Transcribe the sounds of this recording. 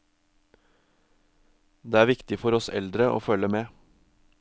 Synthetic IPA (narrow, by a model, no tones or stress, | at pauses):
d̪eːæːɾʋɪkt̪ɪfɔɾɔsɛ̰ld̪ɾəʔo̰ːfœləmeː